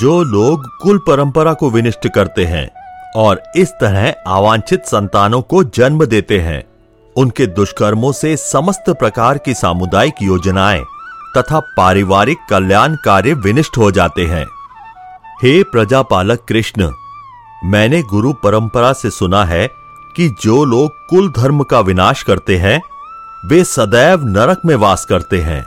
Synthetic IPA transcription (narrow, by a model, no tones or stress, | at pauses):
d͡ʒoːloːɡːʊlpɐɾə̃mpəɾakoʋɪnɪʃʈkɐɾt̪eɦɛ̰̃ɔːɾɪst̪ɐɾɛɦaːʋãːɲt͡ʃʰɪt̪sɐ̃nt̪aːnõkod͡ʒɐnməd̪eːt̪eɦɛ̰̃ː | ʊnked̪ʊʃkəɾmõsesɐməst̪pɾɐkaːɾkisa̰ːmʊd̪aːjɪkjoːd͡ʒnaːḛt̪ɐt̪ʰapaːɾɪʋaːɾɪkːɐljaːnkaːɾjəʋɪnɪʃʈɦod͡ʒaːt̪eɦɛ̰̃ː | heːpɾɐd͡ʒaːpaːləkːɾɪʃn | mɛ̃ːneɡʊɾupɐɾə̃mpəɾasesʊnaɦɛ | kid͡ʒoːloːɡ̚kʊld̪ʱɐɾmkaʋɪnaːʃkɐɾt̪eɦɛ̃ | ʋeːsɐd̪ɛːʋnɐɾəkmẽʋaːskɐɾt̪eɦɛ̰̃ː